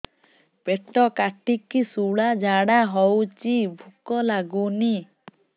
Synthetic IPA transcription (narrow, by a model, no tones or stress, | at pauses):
peʈɔkaʈikisuɽad͡ʒaɽaɦɔwt͡ʃibʱukɔlaɡuni